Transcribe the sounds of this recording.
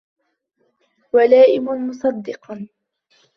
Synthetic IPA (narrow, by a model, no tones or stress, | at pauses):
walaːʔɪmʊmʊsˤɑd̪ːɪq